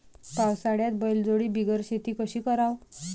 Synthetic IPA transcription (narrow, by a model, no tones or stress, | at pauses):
pawsaɽjat̪bəjld͡zoɽiːbiɡəɾɕet̪iːkəɕiːkəɾaw